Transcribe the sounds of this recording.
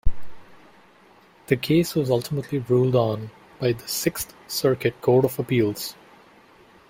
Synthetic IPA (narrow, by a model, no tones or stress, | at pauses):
d̪̥əkʰeːswɔzʌlʈɪməʈʰliɹuːlɖɔ̃ːn | b̥aɪd̪əsɪkst̪səɹkɨʈ̚kʰoːɖɔfəpiːlˠz̥